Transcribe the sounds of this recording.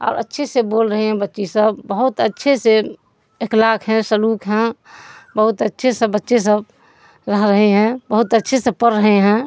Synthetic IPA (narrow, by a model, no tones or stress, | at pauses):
ɔ̰ːɾə̰tːʃʰeseboːlɾəɦeɦɛ̃bətːʃisəbːəɦʊt̪ətːʃʰese | ɪklaːkɦɛ̃səluːkɦɛ̃bəɦʊt̪ətːʃʰesəbətːʃes̬əb̚ | ɾəɦɾəɦeɦɛ̃bəɦʊt̪ətːʃʰesepəɾːəɦeɦɛ̃ː